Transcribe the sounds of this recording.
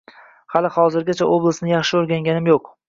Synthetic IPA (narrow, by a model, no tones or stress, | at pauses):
halɪχɒzɪɾɡʲat͡ʃʰaʔoblˠasnɪjɑχʃɪoɾɡʲaŋɡʲanɪmjoq